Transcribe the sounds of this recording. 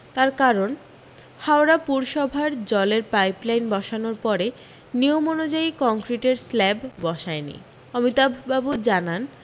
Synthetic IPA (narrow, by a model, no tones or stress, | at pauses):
t̪aɾkaɾon | hawɾapuɾʃɔbʱaɾd͡ʑɔleɾpajplajnbɔʃanoɾpɔɾe | nijomonod͡ʑaikɔŋkɾiʈeɾslɛbbɔʃaenḭ | ɔmit̪abʱubabud͡ʑanan